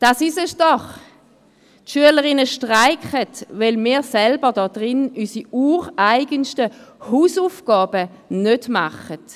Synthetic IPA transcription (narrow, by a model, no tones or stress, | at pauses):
d̥asisəsd̥ɔχ | tʃyələʁɪnəʃtʁaɪkχətvɛlmiːʁsɛlbədɔd̥ʁɪnysiuːʁaɪɡənʃtəhuːsufɡ̥ɑːbə | nødma̰χət